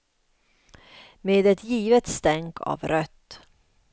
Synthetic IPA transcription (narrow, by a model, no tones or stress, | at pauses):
meːd̪ɛt̪jiːvət̪st̪ɛŋkʰɑ̰ːvɾœt̪ː